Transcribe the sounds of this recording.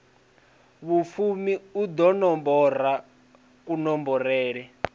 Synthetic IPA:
βufumiud̪ɔnɔmbɔr̤a | kunɔmbɔɾɛːɺɛ

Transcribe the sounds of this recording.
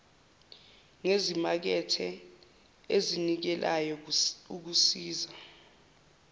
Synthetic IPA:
ŋezimak̬ɛtʰɛ | ezinik̬ɛlʔajɔuk̬usiːza

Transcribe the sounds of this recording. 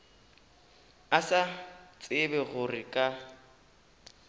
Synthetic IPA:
asat͡sʼɪbɛɣʊrɪkʼa

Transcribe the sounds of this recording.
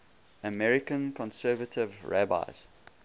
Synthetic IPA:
əmɛɹɪkə̃nkʰɔ̃nsɜːvətʰɪvɹæba̰ɪz̥

